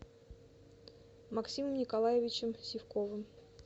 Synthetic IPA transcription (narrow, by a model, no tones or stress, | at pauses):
mɐksʲiməmnʲɪkɐlˠajɪvʲɪt͡ɕɪmsʲɪfkovɨm